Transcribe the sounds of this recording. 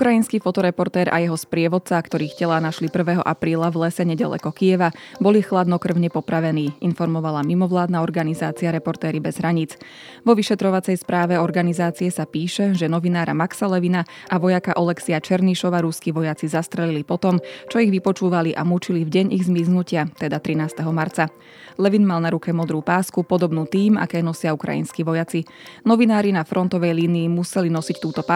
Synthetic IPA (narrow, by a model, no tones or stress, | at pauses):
ukɾajinskiːfɔt̪ɔɾɛpɔɾt̪ɛːɾʔa̰jɛɦɔspɾɪɛʋɔt̪̚t͡sakt̪ɔɾiːxcɛlanaʃlipr̩ʋɛːɦɔ̰ʔapɾiːlaʋlɛsɛɲɛɟa̰lɛ̰kɔkijɛʋabɔlixlad̪nɔkr̩ʊɲɛpɔpɾaʋɛniːinfɔɾmɔʋalamimɔʋlaːd̪naɔɾɡanizaːt͡siaɾɛpɔɾt̪ɛːɾibɛzɦɾaɲit͡s | ʋɔʋiʃɛt̪ɾɔʋat͡sɛjspɾaːʋɛɔɾɡanizaːt͡siɛsapiːʃɛʒɛnɔʋinaːɾa̰maksalɛʋina | ʔaʋɔjakaʔɔlɛksiat͡ʃɛɾniʃɔʋaːɾuskiʋɔjat͡sizast̪ɾɛlilipɔt̪ɔmt͡ʃɔiɣʋipɔt͡ʃuːʋaliʔa̰mut͡ʃilivɟɛɲiɣzmiznucɪat̪ɛd̪at̪ɾinaːst̪ɛɦɔmaɾt͡sa | lɛʋinmalˠnaɾukɛmɔd̪ɾuːpaːskupɔd̪ɔbnuːt̪iːma̰kɛːnɔsɪaukɾa̰jḭnskiʋɔjat͡si | nɔʋinaːɾinafɾʔɔnt̪ɔʋɛjliːniːmusɛlinɔsict̪uːt̪ɔpa